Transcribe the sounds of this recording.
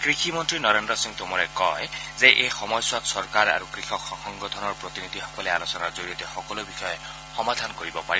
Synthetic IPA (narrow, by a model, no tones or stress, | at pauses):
kɹixʰimɔntɹinɔɹendɔsiŋt̪omɔɹɛkɔjzeʔejxɔmɔjswat̪sɔɹkaɹa̰ɹukɹixɔkːɔxɔŋɡɔt̪ʰɔnɔɹpɹot̪inid̪ʱixɔ̥kɔlealosɔnaɹzoɹijɔt̪ɛxɔkɔlobixɔjɔ | xɔmad̪ʱankoɹibɔpai